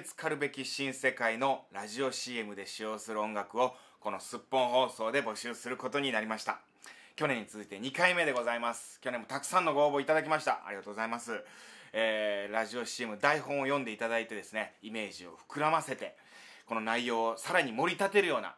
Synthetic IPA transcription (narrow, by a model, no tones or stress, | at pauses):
t͡sɨ̥kaɾɯ̟be̞kʲiɕĩɰ̃se̞kaino̞ɾaʑio̞ɕiemɯ̟d̪e̞ɕijo̞ːsɨɾɯ̟õ̞ŋɡakɯ̟o̞ | ko̞no̞sɨpːõ̞ɰ̃ɦo̞ːso̞ːd̪e̞bo̞ɕɨːsɨɾɯ̟ko̞t̪o̞ɲ̟inaɾʲimaɕi̥t̪a | kʲo̞nẽ̞ɲ̟ːit͡sɨit̪e̞ɲ̟ikaime̞d̪e̞ɡo̞zaimasɨ̥kʲo̞ne̞mːo̞t̪akɯ̟̥sãnːo̞ɡo̞ːbo̞ːit̪ad̪ak̬ʲimaɕi̥t̪aʔa̰ɾʲiɡat̪oɡo̞zaimasɨeːɾaʑio̞ɕie̞mɯ̟d̪aiɦõ̞ɰ̃ojõ̞nd̪e̞it̪ad̪ait̪e̞d̪e̞sɨne̞ime̞ːʑio̞̰ɸɯ̟̥kɯ̟ɾamase̞t̪e̞ | ko̞no̞naijo̞ːsaɾaɲ̟imo̞ɾʲit̪at̪e̞ɾɯ̟jo̞ːna̰